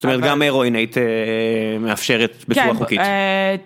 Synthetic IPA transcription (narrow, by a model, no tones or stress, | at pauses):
zo̥tomet̪ɡameʁoinait̪e | meafʃeʁet̪̚beksuaχuki